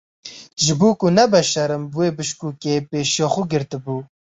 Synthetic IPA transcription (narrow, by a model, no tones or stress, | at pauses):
ʒɪbuːkʊnɛbɛʃɐɾɨmbweːbɨʃkuːkeːpeːʃjɔːxʊɡɪɾt̪ɨbuː